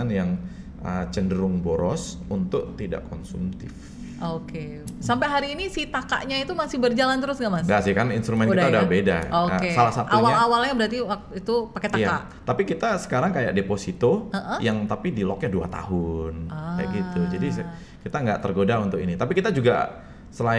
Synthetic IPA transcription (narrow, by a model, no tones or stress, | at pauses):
anjaŋ | ʔət͡ʃəndəɾʊŋboɾɔs | unt̪ʊk̚t̪ida̰ʔkɔnsṵmt̪ɪf | oke | sampaɦaɾiːnisit̪aka̰ʔɲait̪umasɪhbərd͡ʒalant̪əɾʊsɡaʔmasɡasɪhkaninst̪ɾumɛnkid̪audahbeda̰oaesalahsat̪uwaɲaawalɲabəɾart̪iwakit̪upaket̪ajaaʔ | t̪apikit̪asə̥kaɾaŋkaja̰k̚deposit̪oəʔəjaŋt̪apidilɔk̚ɲadua̰t̪a̰ɦʊnkajaɡit̪ud͡ʒadis | kit̪aŋɡa̰ʔt̪ərɡodaunt̪ʊkinit̪apikit̪ad͡ʒuɡa̰ | səla